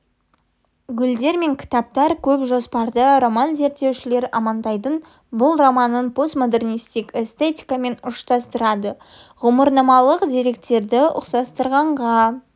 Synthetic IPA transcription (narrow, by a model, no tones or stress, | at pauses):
ɡʲʏld̪e̞ɾme̞ŋkʲʰɪ̥t̪ɑp̚t̪ɑɾkʲʰɵpʒo̞spɑɾd̪əɾomɑnze̞ɾt̪ːe̞wʃɪle̞ɾɑmɑnd̪ɑjd̪ən | bʊlˠromɑnənpʰo̞smo̞d̪e̞rnijst̪ikest̪et̪ʲi̥kame̞nʊʃt̪ɑst̪əɾɑd̪ə | ʁʊməɾnɑmɑlˠəqd̪iɾe̞k̚t̪e̞ɾd̪ɪʊ̰qsɑst̪əɾʁɑɴʁɑ